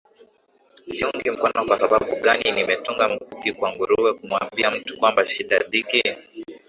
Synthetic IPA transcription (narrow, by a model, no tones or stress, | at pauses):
siɔŋɡim̩kanakwasaɓaɓuɠaninimɛtuŋɡam̩kukikwaŋɡuɾuwɛkumwa̰mbiam̩tu̥kwambaʃiɗaɗiki